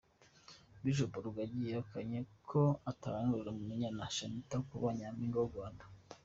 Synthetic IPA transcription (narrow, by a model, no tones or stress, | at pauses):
wiʒoboɾuɡaɟijeokaɲekʰoataɾaŋɡuuɾemumiɲanaʃanitakuβaɲamiŋɡoɡwaːndḁ